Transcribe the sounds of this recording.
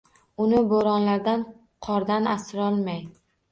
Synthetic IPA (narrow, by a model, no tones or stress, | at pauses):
ʊnɪboɾɒnlaɾd̪an | qʰɒɾd̪anasɪɾɒlˠmaj